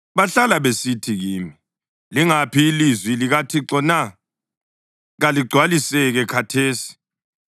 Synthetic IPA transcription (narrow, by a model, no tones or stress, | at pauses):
βaɬalaβesitʰiɣiːmi | liŋapʰiːlizwiliɣatʰiǁɔna | ɣaliɡ͡ǀʱwalisɛɣɛkʰatʰeːsi̥